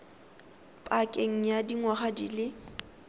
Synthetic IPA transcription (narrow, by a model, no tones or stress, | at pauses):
pʼakʼeŋ̩jadiŋwaχadḭlɪ